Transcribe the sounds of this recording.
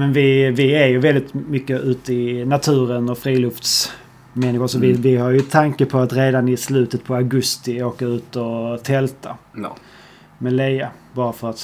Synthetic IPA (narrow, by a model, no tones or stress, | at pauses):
mɛnvɪvɪæɾjɵvɛld̪ɪt̪mʏkːəʉ̟ːt̪əɪnat̪ʰʉ̟ːɾənɔfɾiːlɵft̪s | mɛnːɪɧʊɾʂɔvɪvɪhaɾjɵt̪ʰːaŋkəpʰɔat̪ɾeːd̪anɪslʉ̟ːt̪ət̪̚pʰɔaɡɵst̪ɪoːkaʉ̟ːt̪ɔt̪ʰɛlt̪ʰa | mɛlɛjabɑːɾafœɾat̪